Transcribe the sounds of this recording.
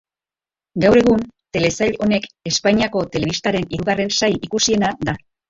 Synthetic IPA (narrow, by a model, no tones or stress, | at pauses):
ɡawɾe̞ɣ̞unt̪e̞le̞saʎo̞ne̞ke̞spaɲiako̞t̪e̞le̞β̞ist̪aɾe̞niɾuɣare̞nsajikusie̞nad̪a